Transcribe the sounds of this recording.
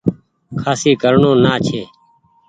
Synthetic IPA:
kʰaːsiːkəɾɳõːnaːt͡ʃʰeː

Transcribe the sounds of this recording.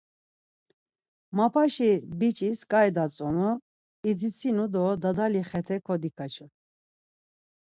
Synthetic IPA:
mapʰaʃibit͡ʃʼiskʼajd̪at͡sʼɔnu | id͡zit͡sʰinud̪ɔd̪ad̪aliχɛt̪ʰɛkʰɔd̪ikʰat͡ʃʰu

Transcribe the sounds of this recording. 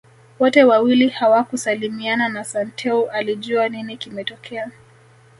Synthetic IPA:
wɔtɛwawilihawakusalimiananasantʰɛuʔaliʄuaninikimɛtɔkʰɛa

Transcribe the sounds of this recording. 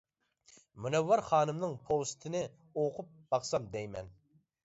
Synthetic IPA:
munɛvːɑɾχɑːnɨmnɨŋpʰost̪ʰɪnɪ | oqʰʊp̚b̥ɑχsɑmd̪ɛjmɛ̰n

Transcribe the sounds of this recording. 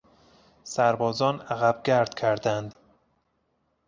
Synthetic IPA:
sæɾbɒːzɒːnæɣæb̥̚ɡʲæɾd̪̥cʰæɾd̪ænd̪

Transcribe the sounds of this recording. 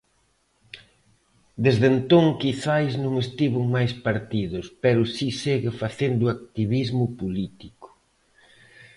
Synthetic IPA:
d̪ezðent̪oŋkiθajznõŋest̪iβʊŋmajspaɾt̪iðʊspɛɾʊsiseɣɪfaθend̪ʊak̚t̪iβizmʊpulit̪ikʊ̥

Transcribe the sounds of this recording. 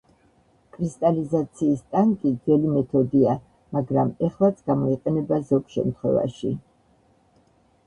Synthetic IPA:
kʼɾist̪ʼalizat̪sʰiːst̪ʼaŋkʼid̪zɛlimɛt̪ʰɔd̪ia | maɡɾamɛχlˠat̪sʰɡamɔiqʼɛnɛbazɔɡʃɛ̰mt̪ʰχwɛ̰va̰ʃḭ

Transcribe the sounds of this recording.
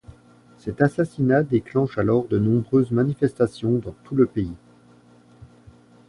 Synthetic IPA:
sɛt̪asasinad̪eklɑ̃ʃalɔʁd̪ənɔ̃bʁøzmanifɛst̪asjɔ̃d̪ɑ̃t̪uləpei

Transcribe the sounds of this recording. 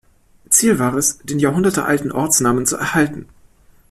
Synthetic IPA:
t͡siːlvaːʁɛsd̥eːnjaːɐɦʊndɐtəʔa̰ltn̩ʔɔɐt͡snaːmənt͡suʔɛ̰ɐhaltn̩

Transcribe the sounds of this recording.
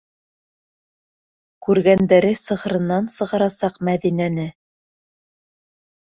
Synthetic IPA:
kʉɾɡænd̪æɾɘsɤ̆ʁɤ̆ɾɤ̆nːɑnsɤ̆ʁɑ̆ɾɑsɑqmæðinænɘ

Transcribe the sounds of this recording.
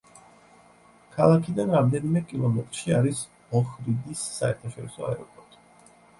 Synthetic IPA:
kʰalˠakʰid̪anɾamd̪ɛnimɛkʼilˠɔmɛt̪ʼɾʃiaɾis | ɔχɾid̪isːaɛ̰ɾt̪ʰaʃɔɾisɔa̰ɛɾɔpʼɔɾt̪ʼi̥

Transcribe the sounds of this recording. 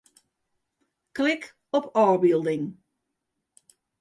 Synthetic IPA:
klɪk | ɔpʰɔːɹbilˠdɪŋ

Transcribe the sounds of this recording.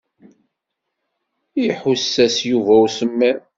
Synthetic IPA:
jħusːæsjuvæwsəmːæ

